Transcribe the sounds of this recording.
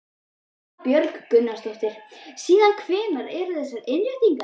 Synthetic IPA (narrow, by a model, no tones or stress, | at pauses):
pjœɾkkʏnːast̪oht̪ɪɾ̥siːðankʰvɪːnaɾɛɾʏθɛsːaɾɪnljœɥt̪iŋka